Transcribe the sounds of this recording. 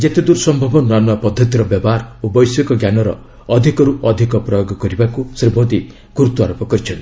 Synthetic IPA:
d͡ʒet̪id̪uɾsɔmbʱɔbɔnunanapɔd̪ʱːɔt̪iɾɔbjɔbɔɦaɾobɔjsjekɔɡjanɔɾɔ̰ | ɔd̪ʱikɔɾuʔɔd̪ʱikɔpɾɔjoɡɔkɔɾibakusɾibʱod̪i | ɡuɾut̪uaɾopɔkɔɾit͡ʃʰɔnt̪i

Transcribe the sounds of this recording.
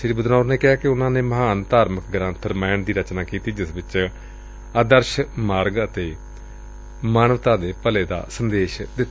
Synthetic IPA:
ʃɾiːbəd̪naːɾnẽːkɪɦaːkɪʊnãːneːməɦaːnt̪aːɾməkɡɾãːnt̪ʰəɾmɛːɳd̪iːɾət͡ʃnaːkiːt̪iːd͡ʒɪsbɪt͡ʃ | aːd̪əɾʃmaːɾɡət̪eː | maːnəʋt̪ãːd̪eːpəleːd̪a̰ːsənd̪eːʃd̪ɪt̪ː

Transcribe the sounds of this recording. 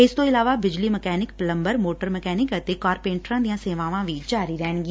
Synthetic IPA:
ɪst̪oːɪlaːʋaːbɪd͡ʒliːməkɛːnɪkpələ̃mbəɾmoːʈəɾməkɛːnɪkət̪eːkɔːɾpẽːɳʈɾãːd̪ijãːseːʋãːʋãːʋiːd͡ʒaːɾiɾɛːɳ̃ɡɪ̃

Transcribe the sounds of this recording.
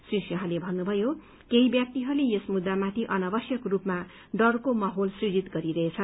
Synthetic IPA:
srisjʌɦʌrlebʱʌnːubʱʌjo | keibjak̚t̪iɦʌrlejesmud̪ːamat̪ʰiʔʌnabʌsjʌkrupma | ɖʌrkomʌɦolsrid͡zit̪ɡʌɾiɾʌɦet͡sʰʌ

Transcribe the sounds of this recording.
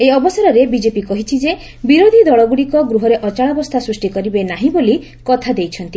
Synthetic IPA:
ejɔbɔsaɾɔɾebid͡ʒepikɔɦit͡ʃʰid͡ʒe | biɾod̪ʱid̪ɔɭɔɡuɽikɔɡɾuɦɔɾeʔɔt͡ʃaɭɔbɔst̪ʰasɾusʈikɔɾibenaɦĩboli | kɔt̪ʰad̪ejt͡ʃʰɔnt̪i

